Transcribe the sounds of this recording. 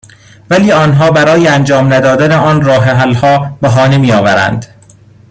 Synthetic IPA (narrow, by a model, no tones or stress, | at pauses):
væliːɒːnɦɒːbæɾɒːjeænd͡ʒɒːmnæd̪ɒːd̪æneɒːnrɒːɦeɦælhɒːbeɦɒːne̞miːjɒːvæɾæ̰nd̪